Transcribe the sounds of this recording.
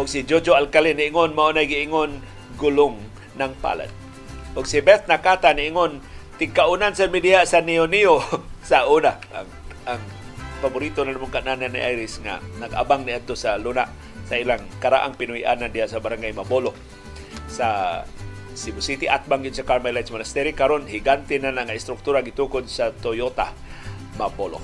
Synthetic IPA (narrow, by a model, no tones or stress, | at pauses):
ʔʊɡsid͡ʒod͡ʒoalkaliniiŋʊnmaonajɡiiŋʊn | ɡulʊŋː | aŋpa̰la̰d̪̚ | ʔʊɡsibɛt̪̚nakat̪aniʔiŋʊnt̪ɪɡkaunansamidiaʔsanioniosauna̰ | aŋpabʊɾit̪onalamʊŋkaʔnananːḭʔajɾɪsŋa̰naɡa̰baŋniad̚t̪osalunaʔ | sailaŋkaɾa̰ʔaŋpɪnuiʔanandiaʔsabaɾaŋɡajmabolo | sa | sibʊsit̪iʔat̪̚baŋɡʊd̪sakaɾmalajt̪smanast̪ɛɾikaɾonhiɡant̪inanlaŋaɪst̪ɾʊk̚t̪uɾaɡit̪ukʊd̪sat̪ojot̪a̰ | mabolo̰